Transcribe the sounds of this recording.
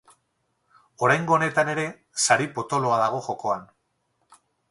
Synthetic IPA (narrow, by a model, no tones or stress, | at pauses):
o̞ɾajŋɡo̞ːne̞t̪ane̞ɾe̞ | saɾipo̞t̪o̞lo̞aðaɣ̞o̞xo̞ko̞an